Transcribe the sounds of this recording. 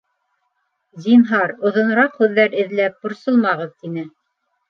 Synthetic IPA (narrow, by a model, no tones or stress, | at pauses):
zinɦɑɾŏðŏnɤ̆ɾɑqhʉðːæɾɘ̆ðlæp̚bŏɾsɤlˠmɑʁɤðt̪inɘ